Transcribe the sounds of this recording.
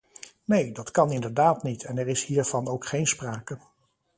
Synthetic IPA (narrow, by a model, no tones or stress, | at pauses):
nejdɑtkɑnɪndəɹdaːtnitʰɛnɛɹɪshiːɹv̥ɑnowkχejnspraːkə